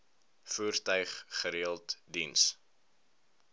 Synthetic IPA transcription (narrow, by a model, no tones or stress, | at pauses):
fuərtœɥχχəɾiəlˠtdins